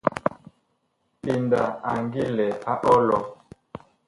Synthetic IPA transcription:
pi˨nda˨a˨ŋɡi˦lɛ˨a˦ʔɔ˦lɔ˨

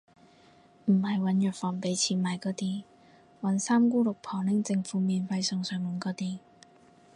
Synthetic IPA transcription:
m̩˨˩hɐ˨jwɐ˨˥njœː˨˩t̚fɔː˨˩ŋpe˨˥jt͡sʰiː˨˥nmaː˨˩jkɔː˨˧˥t̪iː˧ | wɐ˨˥nsaː˥mkuː˥lʊ˨k̚pʰɔː˨˩ŋlɪ˨˥ŋt͡sɪ˧ŋfuː˨˥miː˨nfɐ˧jsœː˨˧ŋsœː˨˩ŋmɐ˨˧nkɔː˨˥t̪iː˧

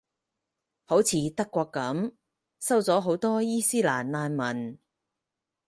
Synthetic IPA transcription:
ho˨˥wt͡sʰiː˨˥t̪ɐ˥kːʷɔː˧kːɐ˨˥m | sɐ˥wt͡sɔː˨˥ɦo˨˥wt̪ɔː˥jiː˥siː˥la̰ː˨˩nlaː˧nmɐ˨˩n

